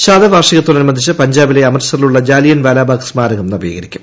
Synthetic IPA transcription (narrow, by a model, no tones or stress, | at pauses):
ɕaːd̪ɐʋaːrʂiɐɣɐt̪ːoːnɐnumɐnd̪ʱit͡ɕːɨpɐɲd͡ʑaːbileɐmɐrsɐriluɭːɐd͡ʑaːlijɐnʋalaːbaːksmaːɾɐɣɐmnɐbḭːɣɐɾikʲːum